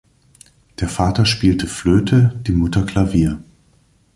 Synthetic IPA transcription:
d̥eːɐfaːtɐʃpiːltʰəfløːtʰəd̥iːmʊtɐkl̥aviːɐ

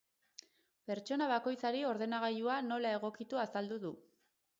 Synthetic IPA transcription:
pe̞ɾt͡ʃo̞naβ̞ako̞jt͡saɾio̞ɾðe̞naɣ̞aʎuano̞lae̞ɣ̞o̞kit̪uasald̪uðu

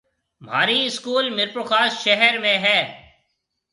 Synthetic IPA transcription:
m̤a̰ːɾiɪskuːlmɪɾpɾoxaːsʃɛɦɛɾmẽɦɛː

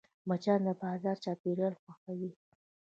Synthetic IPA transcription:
mat͡ʃɑnd̪əbɑzɑɾt͡ʃɑpeɾjɑlxwaxawi

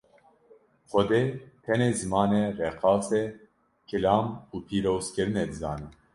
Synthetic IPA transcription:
xʷɔd̪eːt̪ʰɛneːzɨmɑːnereqɑːsɛ | kʰɨlɑːmuːpʰiːɾoːzkɨɾɨneːd̪ɨzɑ̰ːniː

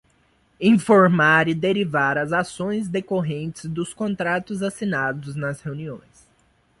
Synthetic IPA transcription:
ĩfoɾmaɾɪd̪eɾivaɾɐzasõj̃zd̪ekoɦẽnt͡ʃɪzd̪ʊskõnt̪ɾat̪ʊzasinad̪ʊznɐsheuniõ̰j̃s

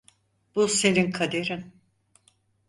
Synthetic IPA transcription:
b̥use̞ninkʰad̪eɾin

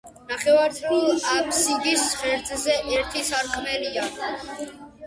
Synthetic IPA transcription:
naχɛvaɾt̪ʰulˠapʰsiɡisχɛɾt̪ʰʼzɛʔɛɾt̪ʰisaɾkʰmɛlia

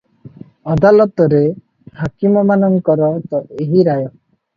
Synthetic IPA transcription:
ɔd̪alɔt̪ɔɾe | hakimɔmanɔŋkɔɾɔt̪ɔeɦiɾajɔ

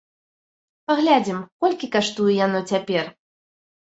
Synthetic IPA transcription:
paɣlʲad͡zʲimkɔlʲkʲikaʂt̪ujɛjanɔt͡sʲapʲɛr

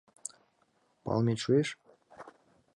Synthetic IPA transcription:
pɑ̰lˠmeʃueʃ

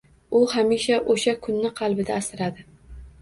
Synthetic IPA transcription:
ʊhamiʃaʔoʃakʰʊnːɪqʰɑlˠbɪd̪aːsɪɾad̪ɪ

